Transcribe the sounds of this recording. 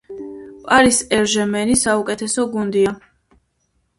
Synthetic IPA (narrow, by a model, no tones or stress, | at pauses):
pʼaɾisɛɾʒɛmɛnisaukʼɛt̪ʰɛsɔɡund̪ia